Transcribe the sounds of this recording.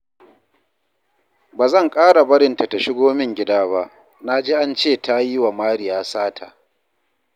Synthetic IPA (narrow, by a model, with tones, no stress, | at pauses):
baː˨zɐ˦˨ŋkʼaː˦ɽa˨bɐ˦ɽɪ˨nta˨ta˨ʃɪ˦ɡʷoː˦mɪ˦ŋɡʲɪ˦daː˦ba˦ʔ | na˦d͡ʒeː˦ʔa˦nt͡ʃeː˦˨ta˦ji˦wa˨maː˦ɽɪ˨jaː˨˦saː˦tʰa˨